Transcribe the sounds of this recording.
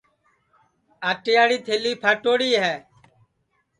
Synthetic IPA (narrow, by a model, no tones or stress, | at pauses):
aːʈeːaːɽiːt̪ʰeːliːpʰaːʈoːɽiːɦɛː